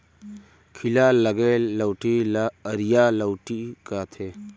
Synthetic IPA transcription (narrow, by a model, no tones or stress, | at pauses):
kʰilalɐɡelɐwʈiːɾijalɐwʈikat̪ʰe